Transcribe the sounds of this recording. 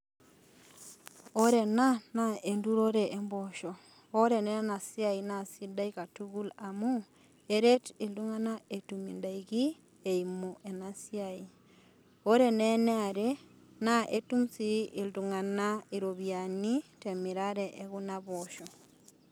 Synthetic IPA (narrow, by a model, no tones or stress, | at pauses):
oɾenanaenduɾoɾeʔemboʃo | oɾeneenasiainasidaikatuɣulamu | eɾetilduŋanaetumḭndaiɣi | eimoʔenasiai | oɾeneneaɾe | naʔetumsiʔilduŋanaiɾoβjanitemiɾaɾeʔeɣunaβoʃo